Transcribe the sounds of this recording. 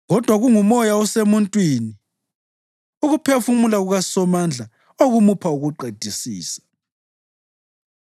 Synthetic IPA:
ɣɔd̥ʱwaɣuŋumɔjaɔsemuntʼwiːni | uɣupʰefumulaɣuɣasɔmand͡ɮʱa | oɣumupʰauɣuǃed̥ʱisiːsḁ

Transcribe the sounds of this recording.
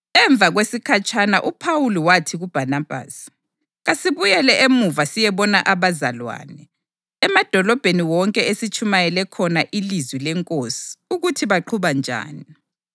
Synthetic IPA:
ɛɱb̪vʱaɣwesikʰat͡ʃʰʼanaʔupʰawuliwatʰiɣub̥ʱanab̥ʱa̰ːsi̥ | ɣasiβujɛlɛʔemuvasijɛβɔnaʔaβaza̰lwa̰ːnɛ | ɛmad̥ʱɔlɔb̥ʱeniwɔŋkʼɛesit͡ʃʰʼumajɛlɛkʰɔnaʔilizwilɛŋkʼosi̥uɣutʰiβaǃʰuβand͡ʒʱa̰ːni

